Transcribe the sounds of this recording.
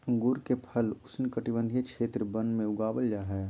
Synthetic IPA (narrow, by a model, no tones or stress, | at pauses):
ə̃ŋɡʊɾkepʰəlʊsnkəʈibə̃nd̪ʱijəkt͡ʃʃʰeːt̪ɾəbə̃nd̪mẽʊɡaːbəljaɦɛː